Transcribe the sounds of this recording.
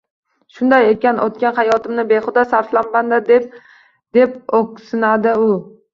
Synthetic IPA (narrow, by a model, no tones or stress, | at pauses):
ʃʊnd̪ajekʲanʔot̪̚kʲanχajɒt̪ʰɪmnɪbeχʊd̪asaɾflanband̪ad̪ep̚ | d̪e̞p̚okʲsɪnad̪ɪʊ